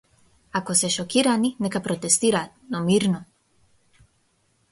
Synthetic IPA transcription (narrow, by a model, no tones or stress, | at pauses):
akosɛʃɔkiɾaninɛkapɾɔt̪ɛst̪iɾat̪nɔmiɾnɔ